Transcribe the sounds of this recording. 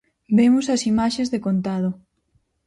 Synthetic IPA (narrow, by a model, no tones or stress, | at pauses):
bemʊsɐsimaʃezðekont̪að̞o